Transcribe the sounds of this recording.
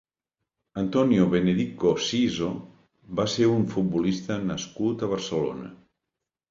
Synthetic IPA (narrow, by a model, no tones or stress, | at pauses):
ənt̪ɔnijoβeneðikkosizo | baseɾuɱfut̪̚bulist̪ənəskut̪əβəɾsəlo̰nə̰